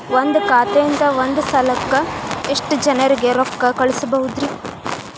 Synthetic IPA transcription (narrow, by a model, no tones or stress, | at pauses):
ʋond̪ukaːt̪eint̪ɐʋond̪usɐlɐkːɐeʂʈud͡ʒɐnɐɾiɡe̞ɾɔkːɐkɐɭisbɐɦud̪ɾi